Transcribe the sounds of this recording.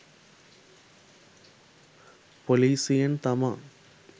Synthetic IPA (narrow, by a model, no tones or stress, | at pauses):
poliːsɪjɐnt̪ɐma